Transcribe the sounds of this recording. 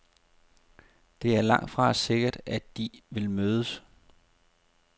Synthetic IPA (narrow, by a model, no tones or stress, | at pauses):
d̥e̝æɐlɑ̈ŋ̰d̥fʁɑ̈se̝ɡ̥ɐd̥æd̥d̥iʋe̝lmøːðˠəs